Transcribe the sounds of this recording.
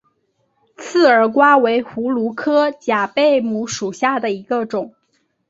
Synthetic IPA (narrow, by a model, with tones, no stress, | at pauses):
t͡sʰɹ̩˥˩ə˞˨˩kwa˥we˧˥ɪxu˧˥lu˧˥kʰɤ˥t͡ɕja˨˩pe˥˩ɪmu˧˥ʂu˨˩ɕja˥˩d̪ə˩i˧˥ɡə˧ʈ͡ʂʊ˨˩˦ŋ